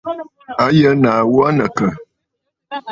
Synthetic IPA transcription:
a˨˦jə˦na˨wɔ˦nə˨kə˨

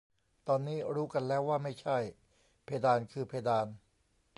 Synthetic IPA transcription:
t̪ɔː˧nːiː˦˥ɾuː˦˥ka˧nlɛː˦˥waː˥˩ma˥˩jt͡ɕʰa˥˩j | pʰeː˧daː˧nkʰɯː˧pʰeː˧daː˧n

